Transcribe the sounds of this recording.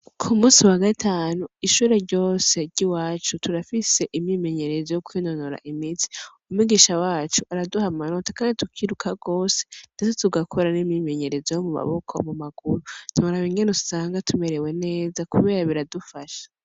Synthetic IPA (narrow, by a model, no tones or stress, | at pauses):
kʰumuːsiwaɡatʰaːnuiʃuːɾe̞ɾɟo̞ːse̞ɾɟiwaːt͡ʃutʰuɾafise̞ʔimɲime̞ɲe̞ɾe̞zojokwino̞noɾa̰ʔimiti̥umwiɡiʃawaːt͡ʃuaɾaduhamaɾotakaːnditukʰiɾukʰaɡo̞ːse̥nd̥et͡setuɡakʰo̞ɾanimɲime̞ɲe̞ɾe̞zojomuma̰βokʰomumaɡ̥uɾun̥iuɾaβiŋɡenutu̥saːŋɡatʰume̞ɾe̞wene̞ːzakuβe̞ːɾaβiɾadufaʃḁ